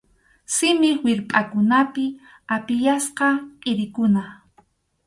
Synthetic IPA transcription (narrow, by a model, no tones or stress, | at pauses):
sɪmɪχwɪɾpʼakʊnapɪ | apɪjasqɑqʼɪɾɪkʊna